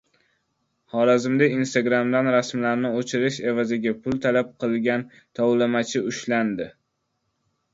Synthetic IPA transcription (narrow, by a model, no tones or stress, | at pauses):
χɒɾazɪmd̪ainst̪aɡɾamd̪anɾasmlaɾnɪot͡ʃʰɪɾɪʃe̞vazɪɡʲapʰʊlˠt̪ʰalap̚qʰɨlˠɡʲan | t̪ʰɒwlɪmat͡ʃʰɪʊʃland̪ɪ